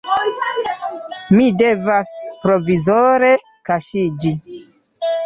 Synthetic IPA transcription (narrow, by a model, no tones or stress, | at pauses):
mide̞vaspɾo̞vizoɾe̞ | kaʃid͡ʒi